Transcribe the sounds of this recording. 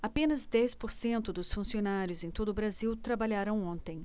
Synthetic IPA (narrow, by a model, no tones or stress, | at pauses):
apẽnɐzd̪ɛspoɾsẽnt̪ʊd̪ʊsfũsionaɾjʊzẽj̃t̪od̪ʊbɾaziwt̪ɾabaʎaɾɐ̃w̃õnt̪ẽj̃